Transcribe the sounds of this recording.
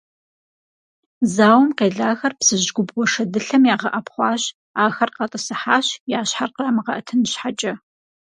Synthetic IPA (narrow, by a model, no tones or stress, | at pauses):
zaːwmqeːɮaːxɐrpsɨʑɡʷʊbwʷɔʂɐdɨɬɐmjaːʁɐʔɐpχʷɑːɕ | aːxɐrqɐtʼɐsɨħaːɕjaːɕħarqaːmɨʁɐʔɐtʰɨnɕħat͡ʃʼɐ